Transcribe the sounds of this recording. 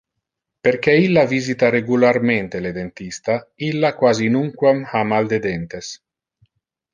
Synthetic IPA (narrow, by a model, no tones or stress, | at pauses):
perk̟ɛilːavizit̪aɾeɡularment̪eled̪ent̪ist̪ailːakwaːzinuŋkwamhamald̪ed̪ent̪es